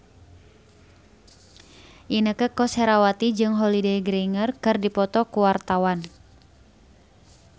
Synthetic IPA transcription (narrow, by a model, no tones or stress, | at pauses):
ʔinəkəkɔsɛɾawat̪id͡ʒɨŋɦɔlideɡɾeiŋərkɨrdipɔt̪ɔkuwart̪awan